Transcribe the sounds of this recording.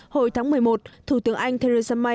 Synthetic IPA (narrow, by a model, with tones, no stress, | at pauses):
ho˧˩jt̪ʰaː˨˦ŋmɨ˨˩əjmo˨˩t̚t̪ʰu˧˩t̪ɨ˨˦əŋʔa˧jŋ̟t̪ʰe˧e˧zə˧ma˧